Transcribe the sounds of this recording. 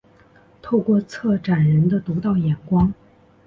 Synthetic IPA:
t̪ʰo˥˧ʊkwɔ˥˧t͡sʰɤ˥˩ʈ͡ʂa˨˩nɻə˧˥nd̪ə˧t̪u˧˥t̪ɑ˥˩ʊjɛ˨˩nkwɑ˥ŋ

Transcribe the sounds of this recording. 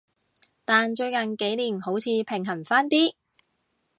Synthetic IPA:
t̪aː˨nt͡ʃɵ˧ɥkɐ˨nke˨˥jniː˨˩nho˨˥wt͡sʰiː˧pʰɪ˨˩ŋɦɐ˨˩nfaː˥nt̪iː˥

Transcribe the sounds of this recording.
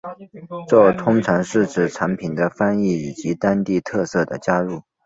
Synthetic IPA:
ʈ͡ʂɤ˥˩t̪ʰʊ˥ŋʈ͡ʂʰɑ˧˥ŋʂɻ̩˥˩ʈ͡ʂɻ̩˨˩ʈ͡ʂʰa˧˥npʰi˨˩nd̪ə˦fa˥ni˥˩i˨˩t͡ɕi˧˥t̪a˥nt̪i˥˧t̪ʰɤ˥˧sɤ˥˩d̪ə˩t͡ɕja˥ɻu˥˩

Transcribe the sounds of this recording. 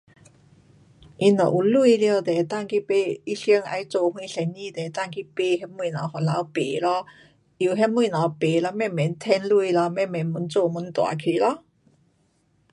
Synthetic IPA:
ʔi˧nd̪ɔ̰˨ʔu˨˩lu˧i˧ljo˧˨t̪e˨t̪a˥˧ŋki˦pe˧˦i˦ɕi˧˦ŋa̰˧jt͡so˥˧hw̃ĩ˧˦sɛ˨˧˩nɲĩ˥˧˨t̪e˨˩t̪a˥˧ŋki˦pe˧hɛ˧˥mwũ˧˨na˨˦hɔ˨˩la˨˧˦wpḛ˨˩lɔ˧˦ | i˨˩ɦɛ˦˥mwũ˧˨na˨˩wpe˨˩lɔ˧mɛ˥˧˩mɛ˨˦nt̪ʰɛ˧˥nlu˥˧i˨lɔ˧mɛ˧˨mɛ˨˩˦nmu˨˦nt͡so˥˧mu˨˦nt̪wa̰˨˩kʰi˨˩lɔ˧˦

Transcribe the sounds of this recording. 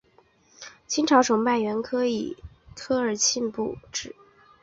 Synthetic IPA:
t͡ɕʰi˥nʈ͡ʂʰɑ˧˥ʊʂo˨˧˩ŋpa˥˩ɥɛ˧˥nkʰɤ˥ḭ˨˩ | t̪ʰɤ˥ə˞˨˩t͡ɕʰi˥˧npu˥˩ʈ͡ʂɻ̩˨˩˦

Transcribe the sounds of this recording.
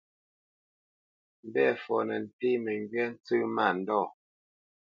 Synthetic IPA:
m̩˨bɛ˦˨fɔ˨nɛ˨n̩˨te˦mɛ˨ŋɡɥɛ˦n̩˦t͡sʉ˦ma˦˨n̩˨dɔː˦˨

